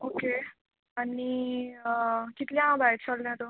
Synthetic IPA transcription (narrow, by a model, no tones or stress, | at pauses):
oke | ani | kit̪ljãɦãbajʈt͡ɕʰəlljãt̪o